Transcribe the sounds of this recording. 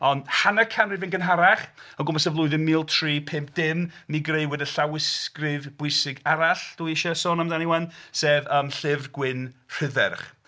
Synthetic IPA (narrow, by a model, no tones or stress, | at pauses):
ɔndhanakʰanrɪvɪnɡənɦaɾaχəɡʊmasɛvlˠʊɨðənmiːlˠtʰriːpʰɪmp̚ʰd̥ɪmniɡrejwɪdəɬawɪskrɪvb̥ʊɨsɪɡaɾaɬd̥uiɪʃɔsoːnamdaniwanseːvəːmɬɪvɡwɪnr̥ɪðɛ̰rχ